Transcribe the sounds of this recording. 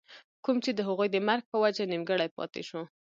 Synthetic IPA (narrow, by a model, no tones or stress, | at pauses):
kumt͡ʃed̪əɦaɣujd̪əmaɾɡ̚pəwad͡ʒanimɡəɽajpɑ̰t̪ḛʃu